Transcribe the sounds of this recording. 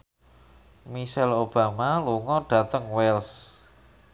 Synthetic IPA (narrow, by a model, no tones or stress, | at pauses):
miʃɛlob̥a̤maluŋɔɖ̥a̤t̪əŋwɛls